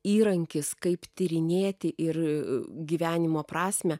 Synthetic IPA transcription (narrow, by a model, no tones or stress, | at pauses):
iːɾɐŋʲkʲɪskɐɪpt̪ʲɪɾʲɪnʲeːt̪ʲɪʔɪrɡʲiːʋʲæːnʲɪmoːpɾɑːsʲmʲɛ